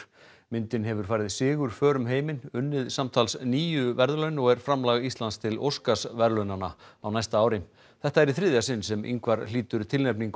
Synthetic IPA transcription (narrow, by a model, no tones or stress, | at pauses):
mɪnt̪ɪnɦɛvʏɾ̥faːjɾɪðsɪːɣʏɾ̥fœːɾʏmɦeːjmɪnʏnːɪðsamt̪ʰalsniːjʏvɛɾðlœɥnɔɣɛɾ̥fɾamlaɣist̪lanst̪ʰɪlo̰wskasvɛɾlœɥnana̰awnajst̪aaːwɾɪm | θɛht̪aɛɾiθɾɪðjasɪnsɛmʔḭŋkvaɾliːt̪ʏɾt̪ʰɪlnɛpniŋk